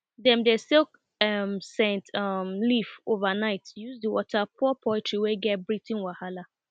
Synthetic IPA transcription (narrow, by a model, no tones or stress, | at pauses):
dɛ̃mdɛselk̚ | ɛmsɛ̃ntamlifovanaɪtjuzdiwɔ̰tʰapʰuɔpʰɔɪtɹiwɛɡɛt̚bɹitĩnwahala